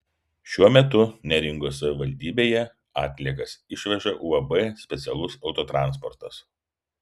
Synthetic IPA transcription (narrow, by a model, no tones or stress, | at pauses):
ʃʲuɔmʲɛt̪ʊnʲɛɾʲɪŋɡosɐʋʲɪʋɐlʲd̪ʲiːbʲeːjɛ | ɑ̰ːt̪ʲlʲiɛkɐsɪʃʲʋʲɛʒɐʔuɐbɛsʲpʲɛt̪sʲɛlˠʊsɒʊt̪oːt̪ɾɑˑnspɔɾt̪ɐs